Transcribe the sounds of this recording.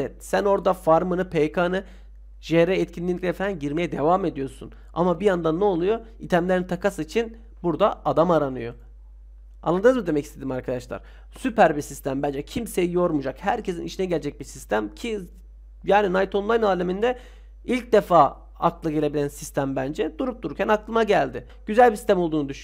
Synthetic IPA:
ɛt̪̚sæno̞ɾd̪afaɾmɯnɯpʰekʰanɯ | ʒeɾɛɛt̪cʰinːʲiiɾefɾænɟiɾme̞jɛd̪e̞vame̞d̪ijo̞sṵn | a̰mabijand̪anːɛolˠujo̞ | it̪ʰæmlʲeɾint̪ʰakasɯit͡ʃʰin | buɾd̪aad̪amaɾanɯjo̞ | a̰nlˠad̪ɯnɯzmɯd̪emɛcʰi̥st̪ʰe̞d̪imaɾkʰad̪aʃlˠa̰ɾ̥ | sypʰæɾbisist̪ʰæmbænd͡ʒɛcʰimsejijo̞ɾmud͡ʒakhæɾcʰe̞siniʃinɛɟɛlʲed͡ʒɛc̚biɾsist̪ʰæmcʰi | jaːninajt̪ʰo̞nlˠajnaːlʲemind̪ɛ | ilʲc̚d̪e̞faː | a̰t̪lˠɯɡe̞lʲe̞bilʲænsist̪ʰæmbænd͡ʒɛd̪uɾup̚d̪uɾuɾcʰænaklˠɯmaɟælʲd̪ɪ | ɟ̥yzælʲbisi̥st̪ʰæmo̞lˠd̪uːnud̪yʃ

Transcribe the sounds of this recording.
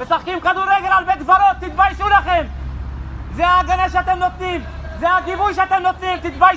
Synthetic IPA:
vesaχkimkad̪uɾːeɡe̞lalbet̪dvaɾo̞t̪ːit̪bajʃulaχe̞m | zeaːɡanaʃeat̪e̞mno̞t̪nim | zeaɡivujʃeat̪emno̞t̪nimt̪it̪baj

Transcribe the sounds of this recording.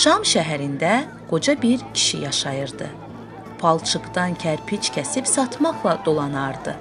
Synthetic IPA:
ʃɑmʃæɦæɾind̪æ | ɡ̥o̞d͡ʒɑbiɾcʰi̥ʃḭjɑʃɑjɯɾd̪ɯ | pʰɑlˠt͡ʃʰɯɡd̪ɑncʰæɾpʰit͡ʃcʰʲæsibsɑt̪ʰmɑχlˠɑd̪̥o̞lˠɑnɑɾd̪ɯ

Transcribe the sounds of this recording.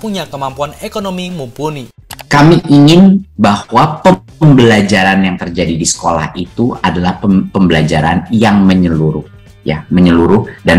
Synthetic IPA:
puɲakəmampuanekonomimumpunikamiʔiŋɪnbahwapə | mbəlad͡ʒaɾanjaŋt̪ərd͡ʒadidisə̥kola̰hit̪uadalahpəpəmbəlad͡ʒaɾanjaŋməɲəluɾʊh | ja̰məɲəluɾʊdan

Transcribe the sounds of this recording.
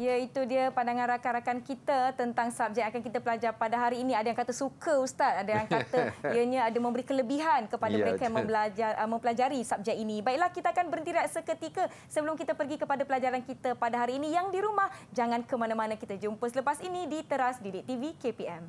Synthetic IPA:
ijait̪udiəpadaŋaɾakaɾakankit̪at̪ənt̪aŋsap̚d͡ʒaakankit̪apəlad͡ʒarpadaɦaɾiːniadajaŋkat̪əsukʰəust̪at̪̚adajaŋkat̪aijaɲãadamə̃mbəɾikələbiɦankəpadaəɾekajaŋmə̃blad͡ʒamə̃mpəlad͡ʒaɾisap̚d͡ʒaʔinĩbaiʔlahkit̪aakanbəɾənt̪iɾaʔsəkət̪ikə | səbəlʊmkit̪apərɡikəpadapəlad͡ʒaɾankit̪apadaɦaɾiːnijaŋdiɾumahd͡ʒaŋankəmanamanakit̪ad͡ʒumpəsələpasinĩdit̪əɾasdidiʔt̪ivikepiɛm

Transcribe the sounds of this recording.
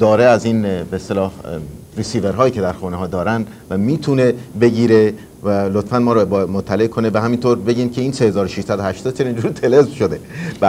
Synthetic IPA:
d̪̥ɒːɾeæziːnbeːst̪elɒːhɾisiːveɾɦɒːjiːcʰe̞d̪æɾxuːneɦɒːd̪ɒːɾænd̪ | væmiːt̪ʰune̞be̞ɟiːɾe | vælot̪fænmɒːɾobmot̪ʰːæle̞ʔkʰonevæɦæmint̪ʰoɾbe̞ɟiːnkʰʲe̞iːnsehe̞zɒːɾoʃiʃsæd̪ohæʃt̪ɒːd̪̚t͡ʃʰenind͡ʒuːɾt̪ʰe̞lezmʃod̪ebæ

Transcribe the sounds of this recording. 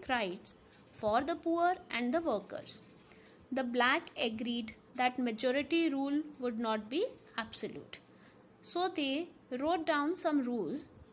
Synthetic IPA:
kɾaɪʈs | fɔːɾd̪əpuːəɾʔæ̃ɳɖd̪əʋəːɾkə̰ɾz̥ | d̪əblækəɡɾiːɖ | d̪æʈməd͡ʒɔːɾɪʈiɾuːlʋʊɖnɔːʈ̚bi | æbsəljṵːʈ | soːd̪eː | ɾoːʈ̚ɖãʊ̃nsʌ̃mɾuːlz

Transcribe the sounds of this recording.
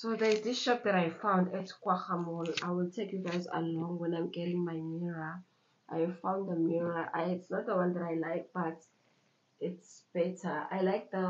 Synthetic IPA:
soðədisʃɔp̚ðɛɾajfãw̃ndɛtkwaxamɔlajwiltʰekjuvazə̰lɔ̃ŋwɛ̃najmɡɛlĩŋmajmiɹa | ʔa̰jvfãw̃nddəmiɹaʔaitsnɔt̚dəwãnðɛtajlajk̚b̥at | itsb̥ɛtʰaa̰jlajk̚ðə

